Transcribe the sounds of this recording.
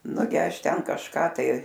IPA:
ˈnʊɡʲɪ ˈɐʃ ˈtʲɛn kɐʃˈkɑː tɐɪ

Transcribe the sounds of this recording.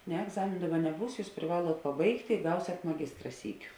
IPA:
nʲɛ ɛɡˈzɑːmʲeːnʊ ˈdɑːˌbɐ nʲɛˈbuːs ˈjuːs pʲrʲɪˈʋɑːlˠuɔt pɐˈbɐɪktʲeː ɪ ˈɡɐʊsʲɛt mɐˈɡʲɪstrɐ ˈsʲiːˌkʲʊ

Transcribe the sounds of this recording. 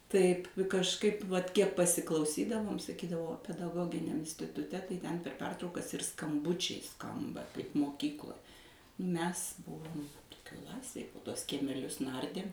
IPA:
ˈtɐɪp kɐʃˈkɐɪp ʋɐt ˈkʲiɛk pɐsʲɪklˠɐʊˈsʲiːdɐʋoːm sɐˈkʲiːdɐʋoː pʲɛdɐˈɡoːɡʲɪnʲɛm ɪnʲsʲtʲɪtʊˈtʲɛ tɐɪ tʲɛn pʲɛr ˈpʲɛrtrɐʊkɐs ɪr skɐmˈbʊt͡ʃʲɛɪ ˈskɐmbɐ kɐɪp moːˈkʲiːklˠoːj ˈmʲɛs ˈbʊʋoːm ˈklˠɑːsʲeːj poː ˈtuɔs kʲiɛmʲɛˈlʲʊs ˈnɐrʲdʲeːm

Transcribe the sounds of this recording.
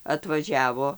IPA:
ɐtʋɐˈʒʲæːʋoː

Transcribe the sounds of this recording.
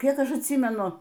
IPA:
ˈkʲiɛk ˈɐʃ ɐtʲˈsʲiːmʲɛnʊ

